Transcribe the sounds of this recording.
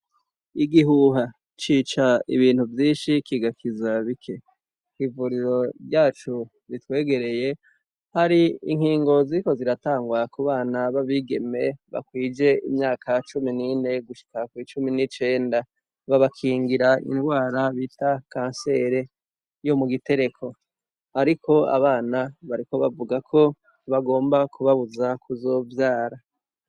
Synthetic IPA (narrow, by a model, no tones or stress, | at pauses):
iɡiɦuɦa | t͡ʃiːt͡ʃaḭβiːn̥huvjiːnʃikiɡakʰizaβikʰe̞ | hivuɾiɾo̞ɾjaːt͡ʃu | zitwe̞ːɡe̞ɾe̞je̞ | haɾiḭŋ̥hiːŋɡo̞ziɾiko̞ziɾataːŋɡwakuβaːnaβaβiɡe̞me̞βa̰kwiːd͡ʒe̞imɲaːkʰat͡ʃuminine̞ɡuʃi̥kakwit͡ʃuminit͡ʃe̞ːnda | βaβakʰiːŋɡiɾaḭnwaːɾaβitakãːnse̞ɾe̞ | jo̞muɡite̞ɾe̞kʰo̞ | haɾikʰo̞a̰βaːnaβaɾiko̞βa̰vuɡakʰo̞ | βaɡo̞ːmbakuβaβuzakʰuzo̞ːvjaːɾa